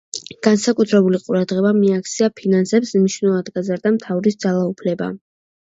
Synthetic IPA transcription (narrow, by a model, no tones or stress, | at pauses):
ɡ̥ansakʼut̪ʰɾɛbuliqʼuɾad̪ʁɛbamiak̚ʰt̪sʰiapʰinansɛpsniʃnulˠad̪ɡazaɾd̪amt̪ʰavɾisd̪zalˠaupʰlɛba̰